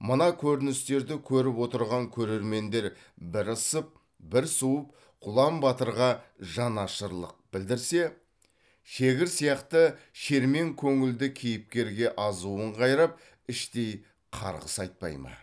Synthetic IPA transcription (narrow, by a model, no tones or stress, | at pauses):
mənɑkʲʰɵɾɪnɪst̪e̞ɾd̪ɪkʲʰɵɾɪpwo̞t̪əɾʁɑŋkʲʰɵɾe̞ɾme̞nd̪e̞ɾ | bɪɾəsəp̚ | bɪɾsuwəp | qʰʊlˠɑmbɑt̪əɾʁɑʒɑnɑʃəɾlˠə̰q̚bɪld̪ɪɾse̞ | ʃeɡʲɪɾsijɑqt̪əʃe̞ɾme̞ŋkʲʰɵŋɪld̪ɪkʲʰejɪp̚kʲe̞ɾɡʲe̞ʔɑzuəɴqʰɑjɾɑp̚ | ɪʃt̪e̞j | qʰɑ̰ɾʁəsɑjt̪̚pɑ̰jmə̰